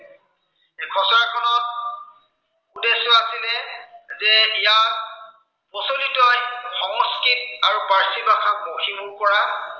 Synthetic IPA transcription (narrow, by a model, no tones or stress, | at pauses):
ɛkʰɔsɔɹakʰɔnɔt̚ | udesɔasilɛzɛija | pɔsolitajxɔŋskit̚aɹupaɹsibakʰakmoxibuɹkɔɹa